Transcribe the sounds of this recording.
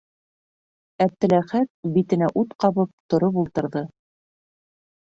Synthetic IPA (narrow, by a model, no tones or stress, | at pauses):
æp̚t̪ɘ̆læχæt̪̚bit̪ɘ̆næʔut̪qɑβɤp̚t̪ŏɾopulˠt̪ɤ̆ɾðɤ